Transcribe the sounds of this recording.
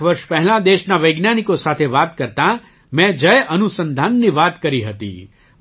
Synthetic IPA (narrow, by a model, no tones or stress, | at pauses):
ʋɐɾʃpɛɦlãd̪eːʃnaʋɐɪɡnjaːnikosaːt̪ʰeʋaːt̪kɐɾt̪a | mɛ̃ːd͡ʒɐjʔɐnusə̃nd̪ʱaːnːiʋaːt̪kɐɾiɦɐt̪ḭː